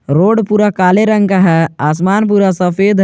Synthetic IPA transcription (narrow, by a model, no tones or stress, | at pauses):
ɾoːɖpuːɾakaːleɾə̃ŋɡkaɦɛaːs̬maːnpuːɾasɐfeːd̪